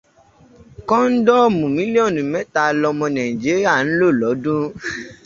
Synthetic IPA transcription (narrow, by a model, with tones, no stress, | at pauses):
kɔ̃˦n̩˦dɔ˦˨mũ˨mĩ˦li˦ɔ̃˦˨nũ˨˦mɛ̃˦ta˧lɔ˧mɔ̃˧nã˨ĩ˨d͡ʒi˨˦ɾi˦a˦˨n̩˦lo˦˨lɔ˨˦dũ˦